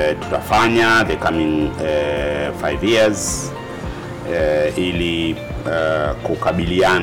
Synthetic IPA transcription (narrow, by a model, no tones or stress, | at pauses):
tu̥tafaɲaðɛkamĩŋɛfajvjiz | ili | kukaɓilia